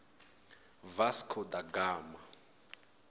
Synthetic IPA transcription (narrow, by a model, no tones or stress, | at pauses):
vaskʰɔd̪aɡaːma